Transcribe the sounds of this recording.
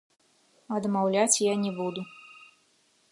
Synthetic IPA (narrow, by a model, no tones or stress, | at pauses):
ɐd̪mawlʲat͡sʲjanʲɛbud̪u